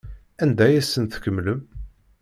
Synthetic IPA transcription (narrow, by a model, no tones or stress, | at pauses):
ænd̪æjæsːənθkəmːləm